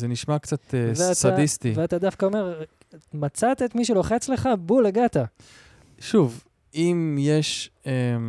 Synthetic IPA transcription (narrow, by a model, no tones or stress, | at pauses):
zeniʃmakt͡sat̪eveasadist̪iveat̪ad̪afkaome̞ʁ | mat͡sat̪et̪miʃ̬ulo̞χet͡sle̞χabuleɡat̪a | ʃuv | imjeʃem